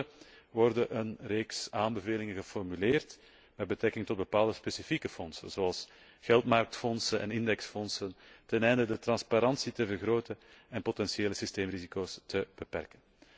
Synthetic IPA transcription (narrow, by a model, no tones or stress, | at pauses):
ʋɔrdəʔənreːksaːmbəveːlɪŋənɣəfɔrmyleːrt | mɛd̚bətɾɛkɪŋtɔd̚bəpaːlˠdəspesifikəfɔnsə̰nzoɑlˠs | ɣɛlˠtmɑrk̚tfɔnsənɛ̰nɪndɛksfɔnsəntɛnɛjndədətrɑnspaɾɑnsitəvərɣɾoːtəɛnpotɛnsieːləsisteːmrizikoːstəb̥əpɛ̰rkən